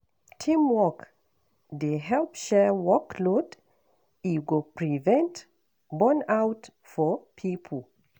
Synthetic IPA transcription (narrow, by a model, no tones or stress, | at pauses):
tʰĩmwɔk | deɦɛlpʃɛwɔklod | iɡopʰɹivɛ̃nt | bɔ̃nawt | fɔpʰipʰəl